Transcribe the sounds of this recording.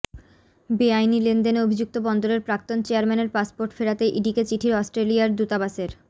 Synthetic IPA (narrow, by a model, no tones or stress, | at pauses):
biajnilend̪enobʱid͡ʑuk̚t̪obɔnd̪oɾeɾpɾak̚t̪ont͡ɕeaɾmɛneɾpaspoɾʈfeɾat̪eʔiɖiket͡ɕiʈʰiɾɔsʈɾelijaɾd̪ut̪abaʃeɾ